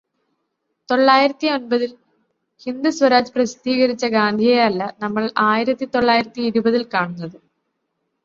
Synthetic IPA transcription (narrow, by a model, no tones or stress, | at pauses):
t̪o̞ɭːaːjiɾɐt̪ːio̞nbɐðil | hind̪usʋɐɾaːd͡ʑɨprɐɕt̪iːɣɐɾit͡ɕːɐɡaːnd̪ʱijeɐlːɐnɐmːɐɭaːjiɾɐt̪ːit̪o̞ɭːaːjiɾɐt̪ːiːɾubɐðilkaːɳunːɐðɨ